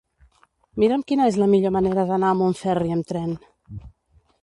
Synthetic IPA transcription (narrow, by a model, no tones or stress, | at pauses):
miɾəmkinəezləmiʎoməneɾəðənaəmuɱfɛriəmt̪ɾɛn